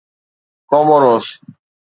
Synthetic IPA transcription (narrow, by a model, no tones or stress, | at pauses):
komoɾoːs